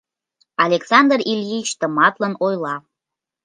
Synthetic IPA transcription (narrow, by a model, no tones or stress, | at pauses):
ɑlʲeksɑnd̪ərilʲjit͡ɕt̪ə̆mɑt̪lənojlɑ